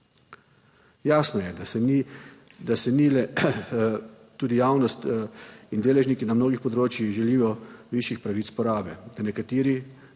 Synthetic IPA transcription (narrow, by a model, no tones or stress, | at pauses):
jaːsnɔjɛi | d̪asɛnilɛ | t̪ːuːd̪ijaːwnɔst̪ind̪eːlɛʒniːkinamnoːɡixpɔd̪ɾoːt͡ʃjixʒɛliːjɔʋiːʃjixpɾaʋit̪spɔɾaːbɛd̪̥anɛkat̪iːɾi